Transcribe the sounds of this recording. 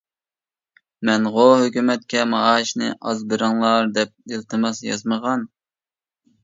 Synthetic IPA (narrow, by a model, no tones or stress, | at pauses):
mɛnʁoɦøkʲymɛt̪̚kʲɛmɑɑʃnɨɪ̰ʔɑzbɪɾɨŋlˠɑɾd̪ɛp̚ilˠt̪ʰɨmɑsjɑ̰zməʁɑn